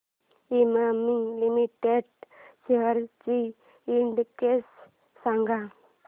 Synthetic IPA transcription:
imamiŋlimiʈeɖseɦəɾt͡ʃi | iɳɖkesː | aŋɡʱa

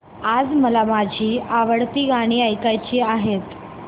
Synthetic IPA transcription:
ad͡zməlamad͡ʑʱiːaʋəɽt̪iːɡaɽ̃iːəjkajt͡ɕiːaɦet̪

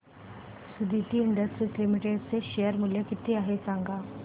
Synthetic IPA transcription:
sɪd̪it̪iɪɳɖəsʈɾislɪmɪʈeːɖseʃejəɾmʊljəkɪt̪ːeaɦesãːŋɡaː

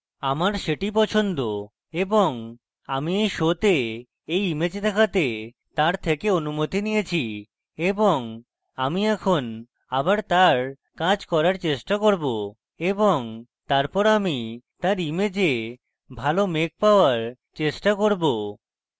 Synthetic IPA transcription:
amaɾʃeʈip̬ɔt͡ɕʰond̪o | eboŋ | amiejʃot̪e | ejimed͡ʑd̪ɛkʰat̪e | t̪aɾt̪ʰekeonumot̪inijet͡ɕʰi | eboŋ | amiɛkʰon | abaɾt̪aɾ | kad͡ʑkɔɾaɾt͡ɕeʃʈakoɾbo | eboŋt̪aɾpɔɾamit̪aɾimed͡ʑe | bʱalomek̚paoaɾ | t͡ɕeʃʈakoɾbo

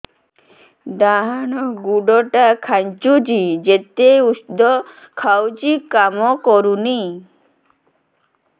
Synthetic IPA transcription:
d̪aɦañɔɡuɖɔʈakʰaɲt͡ʃud͡ʒid͡ʒet̪eusd̪ɔ | kʰawt͡ʃikamɔkɔɾuni

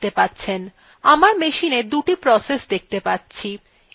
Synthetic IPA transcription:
t̪epatːɕʰen | amaɾmeʃined̪uʈipɾɔsesd̪ek̚ʰt̪epatːɕʰi

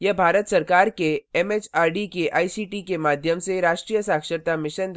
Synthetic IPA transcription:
jɐbʱaːɾət̪sɐɾkaːɾkeɛmeːt͡ʃaːɾɖikeʔaːisiːʈikemaːd̪ʱjəmseɾaːʃʈɾijəsaːkʃəɾt̪amɪʃən

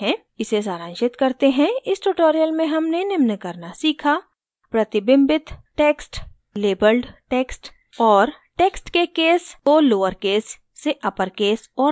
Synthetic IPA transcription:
ɛ̃ | ɪses̬aːɾə̃ːnʃɪt̪kɐɾt̪eɦɛ̃ɪsʈuʈoːɾijəlmẽɦɐmnenɪmnəkɐɾnasiːkʰa | pɾɐt̪ɪbɪ̃mbɪt̪ʈeːksʈ | leːbəlɖʈeːksʈ | ɔːɾʈeːksʈkekeːsoːloːəɾkeːsː | eʔɐpəɾkeːsɔː

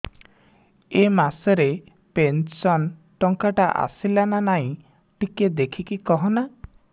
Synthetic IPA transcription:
emasɔɾe | pensɔnʈɔŋkaʈaʔa̰silananaĩ | ʈiked̪ekʰikikɔɦɔna

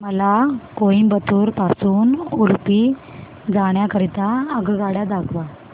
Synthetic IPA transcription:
məlakoĩbət̪uɾpasuːnulpi | d͡zaɽ̃jakəɾit̪aəɡɡaɽjad̪akʰʋa

